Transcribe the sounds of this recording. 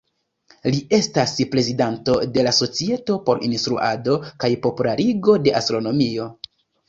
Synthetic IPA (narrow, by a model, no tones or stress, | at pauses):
lie̞staspɾe̞zidanto̞de̞laso̞t͡sie̞to̞po̞ɾḭnstɾṵʔa̰do̞kajpo̞pulaɾiɡo̞de̞ʔastɾo̞no̞mio̞